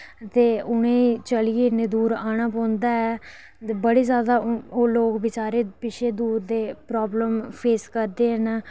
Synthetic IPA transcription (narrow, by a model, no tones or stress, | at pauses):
t̪eːʊñẽːit͡ʃəlijeːneːd̪uːɾaːɽ̃aːpɔ̃ːnd̪aːɛː | bəɽeːzjaːd̪aːoːloːkʋɪt͡ʃaːɾeːpɪʃʰeːd̪uːɾd̪eːpɾɔːbləmpʰeːskəɾd̪eːɦənː